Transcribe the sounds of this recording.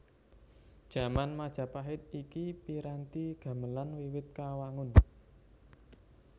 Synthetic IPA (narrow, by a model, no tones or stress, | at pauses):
d̥ʒ̥ä̤manmad̥ʒ̥ä̤paɦɪt̪̚ikipiɾant̪iɡ̥ä̤məlanwiwɪt̪̚kawaŋʊn